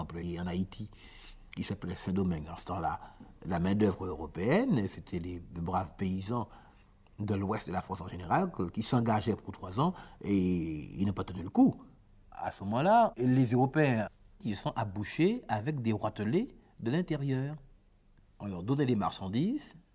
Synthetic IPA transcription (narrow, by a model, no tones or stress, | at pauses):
plɑ̃nait̪ʰi | kʲisaplɛsɛ̃d̪ɔmɛnd̪ɑ̃sə̥t̪ɑ̃lalamɛ̃d̪œvʁøʁɔpeɛnset̪ʰɛlepybʁavpeizɑ̃ | d̪əlwɛst̪̚d̪əlafʁɑ̃sɑ̃ʒeneʁalkʲisɑ̃ɡaʒɛput̪χwazɑ̃eḭlnɔ̃pat̪ənyləku | a̰səmɔmɑ̃lalezøʁɔpeɛ̃ | kisəsɔ̃ʔabuʃeavɛk̚d̪eʁwat̪əle | d̪əlɛ̃t̪eʁjœːʁ | alɔd̪ɔnɛlema̰ʁʃɑ̃d̪iz